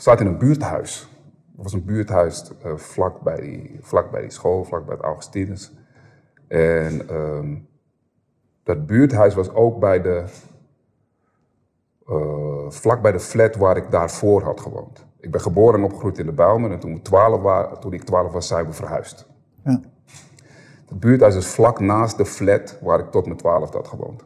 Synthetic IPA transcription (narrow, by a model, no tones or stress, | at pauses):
satɪnənbyːəthœ̰ɥs | tʋɔsənbyːtɦœɥsəflakbɛ̰j̰flak̚bɛ̰jdḭsxoːlflak̚bɛ̰jəta̰wɣə̥stinəs | ʔɛnə | d̥ɔt̚byːətɦœɥsʋɔsoːk̚bɛjdə | flak̚bɛjdəflɛtʋaːɾɪk̚daːrfoːrɦɔ̰tχəʋo̰ːnt | ɪɡ̚bɛnχəboːɾənɔpχrujtɪndəbɛlˠmənɛntunʋətwaːlətunɪk̚twaːləfʋasɛjʋəfərhœ̰ɥst | d̥ɔd̚byətɦœɥs̬ɔsflaknaːst̚dəflɛtʋaːɾɪk̚tɔtmətwaːləfdɔ̰tχəʋo̰ːnt